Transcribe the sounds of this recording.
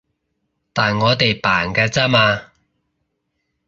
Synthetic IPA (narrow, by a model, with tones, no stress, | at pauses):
t̪aː˨nŋɔː˨˧t̪e˨jpaː˨˩nkaː˧t͡saː˥maː˧